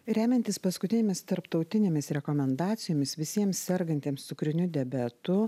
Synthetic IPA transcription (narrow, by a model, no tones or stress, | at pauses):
ɾʲæːmʲɛnʲt̪ʲɪspɐskʊt̪ʲɪnʲeːmʲɪst̪ɐɾpt̪ɒʊt̪ʲɪnʲeːmʲɪsɾʲɛkoːmʲɛnd̪ɑːt̪sʲɪjoːmʲɪsʋʲɪsʲiɛmssʲɛɾɡɐnʲt̪ʲiːmst̪ʊkɾʲɪnʲʊd̪ʲɛbʲæt̪ʊ